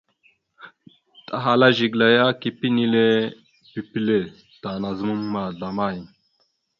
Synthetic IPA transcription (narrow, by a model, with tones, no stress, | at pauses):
tʼa˨ɦa˨la˦ʒi˨ɡla˨ja˦ki˨pi˦ni˦le˦ | b̥i˨pi˦le˦˨ | d̥a˨na˨zɨ˦mu˦mːa˨ɮa˨ma˦˨ji˨